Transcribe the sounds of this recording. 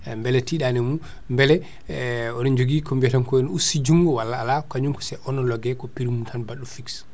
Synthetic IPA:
mbɛlɛtiɗanɛmu | mbɛlɛ | ɔnɔnd͡ʒoɡikɔmbɛtankɔɔnusid͡ʒuŋɡɔwalːaːlakaɲuŋkɔ̥sɛʔɔnɔlɔɡɛkɔpiɾimutʰanbaɗːufiks

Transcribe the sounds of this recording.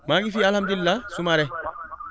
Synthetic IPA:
maːŋɪfiɐlhɐmd̪ʊɪlːasʊmaːɾɛ

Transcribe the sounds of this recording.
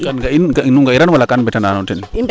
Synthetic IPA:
kanɡainɡanuŋɡaiɾanwalakanmbɛtananɔntɛn

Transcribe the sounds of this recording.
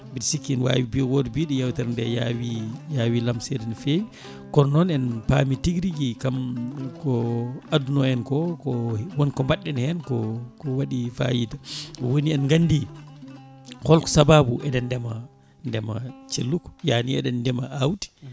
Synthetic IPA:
bidsikːinwa̰wibiwodbiɗɔjawtɛɾndɛjawijawilamsɛdɛnfem | kɔnnɔnɛnpamitiɡɾiɡikamkɔadunɔɛnkɔkɔwɔnkɔmbaɗːɛnhɛnkɔkɔwaɗifa̰jidaɔwoniɛnɡandi | kɔlkɔ̥sababuʔɛdɛndɛma | ndɛma̰t͡ʃelːukɔ̥janiɛ̰ɗɛndɛmaawti̥

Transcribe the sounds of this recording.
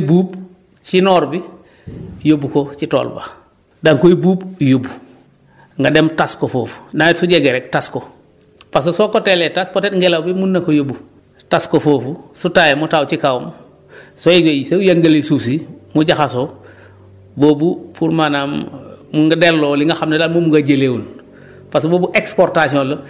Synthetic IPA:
buːb | t͡ʃinɔːɾbi | jobukot͡ʃito̰ːlba̰ | daŋkoibuːbjobu | ŋɡademtaskofoːfu̥natsuɟeɡeɾek̚tasko | pas̬osokoteletaspotetŋɡelawbimunːakojobu | taskofoːfusutajemutawt͡ʃikawum | soid͡ʒoseujaŋɡelesuːsimuɟaxaso | bobupʰuɾmanamːuŋɡadelːoːliŋɡaxamnelaːlmumuŋɡaɟelewun | pasboːbuʔekspoɾtasiol

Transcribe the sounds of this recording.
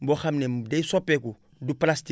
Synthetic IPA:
bɔxamnemdeisɔpːɛku | duplasti

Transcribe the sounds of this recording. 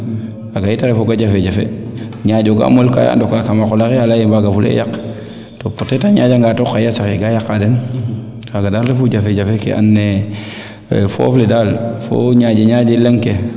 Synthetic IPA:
aɡajitaɾefoɡad͡ʒafed͡ʒafḛɲaɟoɡa̰molka̰ja̰ndokakamakolakealajembaɡafulḛjak | topotetaɲaːd͡ʒaŋɡatokːajasakeɡajakadɛn | kaɡadalɾefuɟafed͡ʒafekḛʔa̰nːe | fo̰fledalfo̰ɲad͡ʒeɲad͡ʒelaŋke

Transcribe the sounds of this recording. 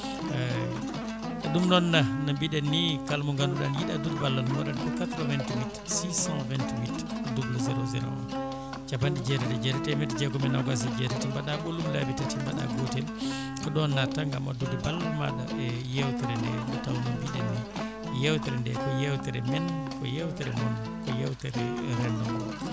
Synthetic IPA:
ɛɗumnɔnːanambiɗɛnːikalmɔŋɡanduɗa̰njiɗadudbalːɔnmɔɗankɔkat̪ɾɔvɛntiwit | sisãvɛntwit | dubuluzɛɾozɛ̰ɾo̰ | t͡ʃabandid͡ʒɛtɛɾɛd͡ʒɛtɛtɛmɛtd͡ʒɛɡɔmɛnaɡas̬id͡ʒɛtɛtimbaɗaɓolumlabitɛtimbaɗa̰ɡotɛl | kɔɗɔnːataŋɡamɔdudibalːɔnma̰ɗa̰ɛjɛwtɛɾɛndɛndɔtawmɛnbiɗɛ̰nɛ | jɛwtɛɾɛndɛkɔjɛwtɛɾɛmɛnkɔjɛwtɛɾɛ̰mɔn | kɔjɛwtɛɾɛɾɛndɔmɔ

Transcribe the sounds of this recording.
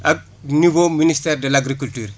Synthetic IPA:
aɡ̚ | nuboministɐɾɖelaɡɾikulʈuɾ

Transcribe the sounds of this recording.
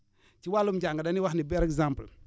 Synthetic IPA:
t͡ʃiwalumd͡ʒaŋɡadaniwaxnibeɾekzãmpəl

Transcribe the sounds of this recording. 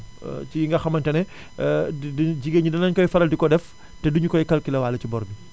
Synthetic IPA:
t͡ʃijiŋɡɐxɐmɐntɛnɛ | ɟiɡeɲudɐnɐɲkɔjfɐɾɐldikɔdɛf | tɛduɲukɔjikɐlkilɐwaːlːɐt͡ʃibɔɾbi

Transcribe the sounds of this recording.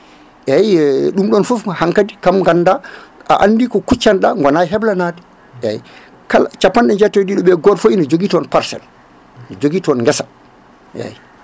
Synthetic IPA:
ɛjɛɗumɗɔnfufhaŋkadikamŋɡandaʔa̰ʔanːdikɔkut͡ʃːanɗaŋɡɔnajɦɛblanadɛ | ɛj | kalat͡ʃapːanɗɛɲd͡ʒɛtːɔdiɗɔɓɛɡɔɾfoinɔd͡ʒoɡiːtɔnpaɾsɛ̰l | nɔd͡ʒoɡiːtɔnŋɡɛsa | ʔɛ̰j

